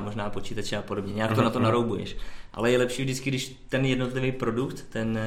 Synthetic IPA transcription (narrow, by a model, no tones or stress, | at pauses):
mo̞ʒnaːpo̞t͡ʃiːt̪at͡ʃɛapo̞do̞bɲɛɲɛaːkt̪onat̪onaɾowbujɛ̰ʃʔa̰lɛjɛlɛpʃiːvdɪt͡skɪɡdɪʃ | t̪ɛnjɛdnot̪lɪvɛjpɾo̞dukt̪ːɛn